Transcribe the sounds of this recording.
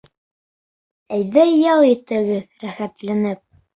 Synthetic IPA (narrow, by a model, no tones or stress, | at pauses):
æjðæjːɑlˠit̪ɘ̆ɡɘðɾæχæt̪lænɘp̚